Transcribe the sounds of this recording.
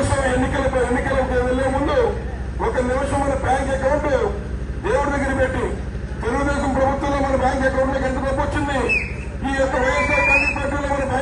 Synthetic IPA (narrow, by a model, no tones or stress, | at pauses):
ɐʂɐmenːikɐlɐpɐenːikɐlɐkɛːd̪ɐlːeːmund̪u | ɔkɐnimɐʂɐmːɐnɐbaːŋkɛkɐwuɳʈe | eːʋɐɽɐd̪ɐɡːɐɾɐpeʈːi | t̪eɾuɡud̪eːʃɐmpɾɐbʱut̪wɐ̃loːmɐnɐmbjaːŋkɛkɐwuɳʈːeːkɐnt̪ɐbɐːpot͡ʃːund̪i | iːɛnt̪ɐʋɐjɐsaːɾpaːʈik̚paːɾʈiːloːmɐnɐmbɐ